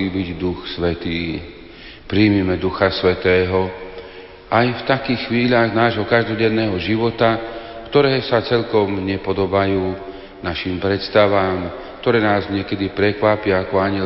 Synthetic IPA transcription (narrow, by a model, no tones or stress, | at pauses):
iːbiɟd̪uxsʋɛt̪iː | pɾiːmimɛd̪uxasʋɛt̪ɛːɦɔ | ʔajft̪akiːxxːʋiːʎaɣnaːʒɦɔkaʒd̪ɔɟɛnːɛːɦɔʒiʋɔt̪a | kt̪ɔɾɛːsat͡sɛʎkɔmɲɛpɔd̪ɔbajuː | naʃiːmpɾɛt̪st̪aʋaːm | kt̪ɔɾɛːnaːzɲɛkɛd̪ipɾɛkʋapɪaːkɔaɲɛ